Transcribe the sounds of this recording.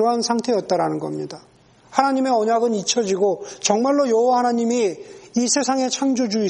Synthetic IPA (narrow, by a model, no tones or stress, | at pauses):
oɦansʰaŋtʰe̞jʌt̚t͈aɾanɯnɡʌmɲida | hanaɲime̞ʌɲaɡɯnit͡ɕʰʌd͡ʑiɡot͡ɕʌŋmaɭːojʌowahanaɲimiːsʰe̞sʰaŋe̞t͡ɕʰaŋd͡ʑod͡ʑui